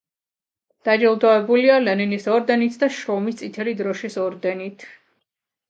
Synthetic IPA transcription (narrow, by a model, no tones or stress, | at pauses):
d̪̥ad͡ʒɛlˠd̪ɔɛbulialɛninisɔɾd̪ɛnit̪ʰd̪aʃɾɔmist̪sʼit̪ʰɛlid̪ɾɔʃisɔɾd̪ɛnit̪ʰ